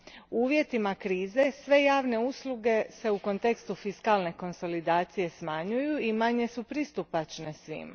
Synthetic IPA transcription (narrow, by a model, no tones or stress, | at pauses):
uːʋje̞t̪imakɾiːze̞sʋe̞jaːʋne̞uslˠuɡe̞se̞uko̞nt̪e̞kst̪ufiskalne̞ko̞nso̞lid̪aːt̪sije̞smaɲujuimaɲe̞supɾist̪upat͡ʃne̞sʋḭma̰